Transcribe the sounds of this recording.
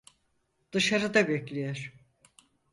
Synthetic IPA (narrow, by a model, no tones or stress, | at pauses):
d̪̥ɯʃaɾɯd̪abɛklʲijeɾ̥